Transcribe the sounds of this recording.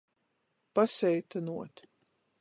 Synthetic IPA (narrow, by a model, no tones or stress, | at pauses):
pasɛjt̪anuɔt̪